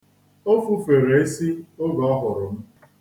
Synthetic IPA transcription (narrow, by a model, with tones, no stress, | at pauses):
o˦fu˦fe˨ɾe˨e˦si˦o˦ɡɔ˦ɦʊ˨ɾʊ˨m̩˦